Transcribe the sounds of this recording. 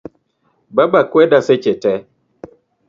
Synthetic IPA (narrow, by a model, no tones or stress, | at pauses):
babakwɛdaset͡ʃetɛ